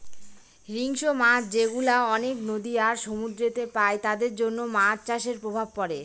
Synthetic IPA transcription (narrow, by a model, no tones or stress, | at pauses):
ɾiŋʃomad͡ʑeɡulaɔneknod̪iaɾʃomud̪ɾet̪epaet̪ad̪eɾd͡ʑonːomaɾt͡ɕaʃeɾpɾobʱab̚pɔɾe